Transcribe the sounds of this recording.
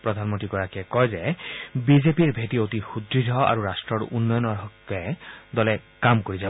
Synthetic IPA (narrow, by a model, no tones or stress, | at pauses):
pɹɔd̪ʱanmɔntɹikɔɹakɛkɔjzɛbizepiɹbʱetiotixudɹidʱɔa̰ɹuɹastɹɔɹunːɔjɔnɔɹɦɔkɛd̪ɔlɛkamkoɹizab